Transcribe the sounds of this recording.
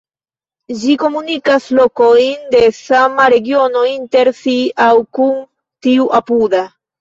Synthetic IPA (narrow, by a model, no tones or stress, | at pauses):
d͡ʒiko̞munikaslo̞ko̞jnde̞samaɾe̞ɡio̞no̞inte̞ɾsiawkun | tiuʔapuda